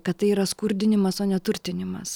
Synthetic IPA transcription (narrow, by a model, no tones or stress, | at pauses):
kɐt̪t̪ɐɪiːɾɐskʊɾʲd̪ʲɪnʲɪmɐsoːnʲɛt̪ʊɾʲt̪ʲɪnʲɪmɐs